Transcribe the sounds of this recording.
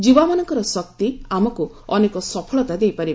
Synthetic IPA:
d͡ʒibamanɔŋkɔɾɔsɔk̚t̪iamɔku | ɔnekɔsɔpʰɔɭɔt̪ad̪ejpaɾi

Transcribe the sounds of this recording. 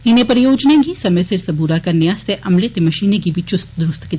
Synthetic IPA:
ɪnẽpɐɾjoːd͡ʒnẽɡisɐmesɪɾsɐbuːɾakɐɾnejaseʔʔɐmlet̪emɐʃiːnekibʱit͡ʃʊst̪d̪ɾʊst̪ki

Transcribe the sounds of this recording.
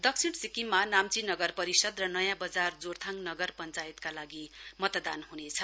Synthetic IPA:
d̪ʌksʰiɽsikimːanamt͡sinʌɡʌrpʌɾisʌd̪rʌnʌjãbʌd͡zard͡zort̪ʰaŋnʌɡʌrpʌnt͡sajet̪kalaɡimʌt̪d̪a̰nhunet͡sʰʌ

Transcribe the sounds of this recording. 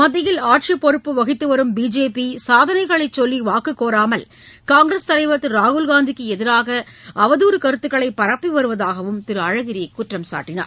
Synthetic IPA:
mɐðɪjɪlaːʈ̚t͡ʃipːɔɾɯpːɯʋɐɣɪt̪ːɯʋɐɾɯmbiːd͡ʒeːpisaːðɐnɐɪɣɐɭɐɪt͡ʃːɔlːiʋaːkɯkːoːɾaːmɐl | kaːŋɡɾɐst̪ɐlɐɪʋɐt̪ːɯɾaːɣɯlɣaːnd̪ikːɯɛðɪɾaːɣɐɐʋɐðuːɾɯkɐɾɯt̪ːɯkːɐɭɐɪpːɐɾɐpːiʋɐɾɯʋɐðaːɣɐʋɯmt̪ɪɾɯɐɻɐɣɪɾɪjɐɪkːʊʈrɐmsa̰ːʈːɪna̰ːɾ

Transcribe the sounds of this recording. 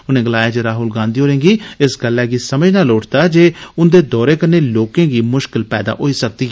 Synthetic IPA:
ʊnẽːɡəlaːjeːd͡ʒeːɾaːɦʊlɡãːnd̪iːɦoːɾẽːŋɡiːɪsɡəlːɛːɡiːsəməd͡ʒnaːloːʈʰt̪aːd͡ʒeːʊnd̪eːd̪ɔːɾeːkəɾneːloːkẽːɡiːmʊʃkɪlpɛːd̪a̰ːʔoːiːsək̚d̪iː

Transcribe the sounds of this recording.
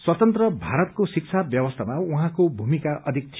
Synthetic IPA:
swʌt̪ʌnt̪rʌbʱaɾʌt̪̚kosik̚t͡sʰabjʌbʌst̪ʰamauɦãkobʱumikaʔʔʌd̪ʱik̚t͡sʰ

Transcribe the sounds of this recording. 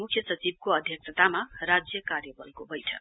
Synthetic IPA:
mukʰjʌsʌt͡sib̚koʌd̪ʱjʌksʰʌt̪amarad͡zjʌkarjʌbʌlkobʌjʈʰʌk

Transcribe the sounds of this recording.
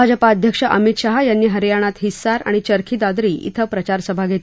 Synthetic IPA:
ad͡ʑəpaəd̪ʱjəkʂəʔəmit̪ɕaɦajanːiːɦəɾjaɽ̃at̪ɦisːaɾa̰ɽ̃it͡ɕəɾkʰiːd̪ad̪ɾiːʔḭt̪ʰəpɾət͡ɕaɾsəbʱaɡʱet̪

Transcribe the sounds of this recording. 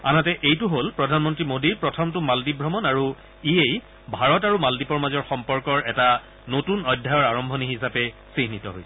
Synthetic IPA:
a̰natɛʔejtuɦolpɹɔdʱanmɔntɹimodiɹpɹɔtʰɔmtʊmaldibʱɹɔmɔnaɹu | iej | bʱaɹɔtaɹumaldipɔɹmazɔɹxɔmpɔɹkɔɹɛta | notunɔjdʱːajɔɹaɹɔmbʱɔniɦis̬apɛsiɦnitɔ̰ɦo̰jsɛ

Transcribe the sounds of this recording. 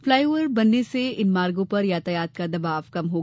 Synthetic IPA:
flaːjʋəɾbɐnːeseɪnmaːɾɡõpɐɾjaːt̪ɐjaːt̪̚kad̪ɐbaːʋkɐmɦoː

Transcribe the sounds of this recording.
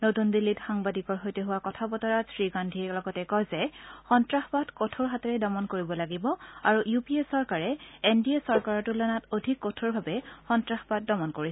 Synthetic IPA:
notundilːitxaŋbadikɔɹɦojtɛɦʊwakɔtʰabɔtɔɹasɹiɡandʱiɛlɔɡɔtɛkɔjzɛxɔntɹaxbadkotʰoɹɦatɔɹɛdɔmɔnkoɹibɔlaɡibɔaɹuʔjupiesɔɹkaɹɛendiesɔɹkaɹɔtulanatodʱikːotʰoɹbʱabɛxɔntɹaxbad̚dɔmɔnkoɹisɛ

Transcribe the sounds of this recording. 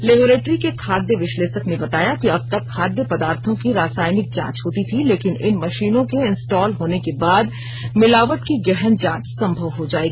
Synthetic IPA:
lɪboːɾeːʈɾikekʰaːd̪jəʋɪʃleːʃəknebɐt̪aːjakiɐb̚t̪ɐkʰːaːd̪jəpɐd̪aːɾt̪ʰõkiɾaːsaːɪnɪk̚t͡ʃã̰ːt͡ʃɦoːt̪it̪ʰileːkɪnɪnmɐʃiːnõkeɪ̃nsʈɔːlɦoːnekebaːd̪ | mɪlaːʋət̪kiɡɛɦənd͡ʒãːt͡ʃsɐ̃mbʱəʋɦod͡ʒaːeːɡiː

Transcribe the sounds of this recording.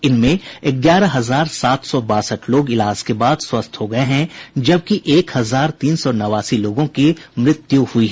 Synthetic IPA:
ɪnmẽɪɡjaːɾaɦɐzaːɾsaːt̪ʰsɔbaːsəʈʰloːɡɪlaːd͡ʒkebaːd̪swɐst̪ʰɦoɡɐeɦɛ̃d͡ʒɐb̚kiʔeːkhɐzaːɾt̪iːnsɔnɐʋaːsiloːɡõkimɾɪt̪juhʊiɦɛː

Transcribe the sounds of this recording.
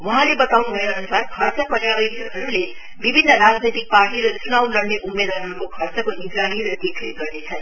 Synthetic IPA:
wʌɦãlebʌt̪awnubʱʌeʌnusaɾkʰʌɾt͡sapʌɾjabʌjɾiɦʌɾule | bibʱinːəɾad͡znit̪ik̚paɾʈiɾesʰunawlʌɾneʔumːed̪ɦʌɾɦʌɾukokʰʌrt͡sʌkoik̪ɾaɦiɾʌd̪ikʰneɡʌrnet͡sʰʌn

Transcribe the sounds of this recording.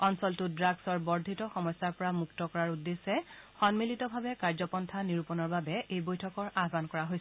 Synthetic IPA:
ɔnsɔltʊdɹaɡsɔɹbɔɹdʱitɔxɔmɔjsːaɹpɔɹamuktɔkɔɹaɹudːesːɛxɔnmilitɔbʱabɛkaɹzɔpɔntʰaniɹupɔnɔɹbabɛʔejbojtʰɔkɔɹaɦbankɔɹaɦojs

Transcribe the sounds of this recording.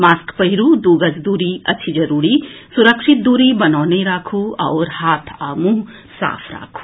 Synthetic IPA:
maːskpɐɦiɾuːd̪uːɡɐsd̪uːɾiɐ̰t͡ʃʰid͡ʒɐɾuːɾisuɾəkʃɪt̪̚d̪uːɾibɐnaːneɾaːkʰuɐ̰ːɾhaːt̪ʰaːmuɦ | sa̰ːpʰɾa̰ːkʰu̥

